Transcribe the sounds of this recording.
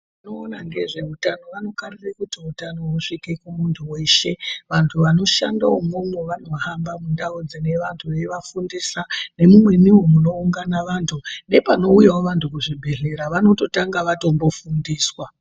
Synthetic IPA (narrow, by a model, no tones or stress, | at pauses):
minoːnaŋɡe̞ʐe̞utano̞ʋano̞karirekutiutano̞ɦuʂike̞kumuntʰuwe̞ʃe̞ʋantʰuʋano̞ʃa̰nda̰womomweʋano̞ɦambamundaod͡zine̞ʋantʰuʋe̞ʋafundisane̞mumwe̞niwemuno̞uŋɡanaʋantʰune̞pano̞ujawoʋantʰukuʐibʱe̞ɮe̞ɾaʋano̞to̞taŋɡaʋato̞mbo̞fundiːswa